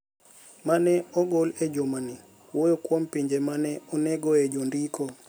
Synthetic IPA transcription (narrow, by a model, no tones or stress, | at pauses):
manɛɔɡolɛd͡ʒomani | wojokwompiɲd͡ʒemanɛɔnɛɡɔed͡ʒondiko